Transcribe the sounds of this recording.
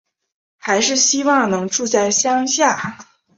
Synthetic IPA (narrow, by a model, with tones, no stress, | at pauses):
xa˧˥ɪʂɻ̩˥˩ɕi˥wɑ˥˩ŋnɤ˧˥ŋʈ͡ʂu˥˧t͡sa˥˩ɪɕjɑ˥ŋɕja˥˩